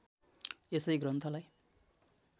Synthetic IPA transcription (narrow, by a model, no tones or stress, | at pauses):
esʌjɡrʌnt̪ʰʌlaj